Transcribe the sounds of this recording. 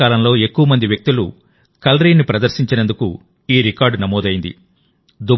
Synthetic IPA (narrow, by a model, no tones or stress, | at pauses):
aːlɐmlo̞ːe̞kːuʋɐmɐnd̪iʋjɐk̚t̪ilṵ | kɐlɾiːnːipɾɐd̪ɐɾʃiɲt͡ʃinend̪uku | iːɾikaːɾɖnɐmɔːd̪ɐjind̪ḭ | d̪u